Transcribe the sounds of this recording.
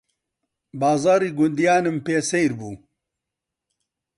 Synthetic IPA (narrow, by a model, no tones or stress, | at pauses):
baːzaːɾiːɡʊnd̪ijaːnɨmpeːsejɾbuː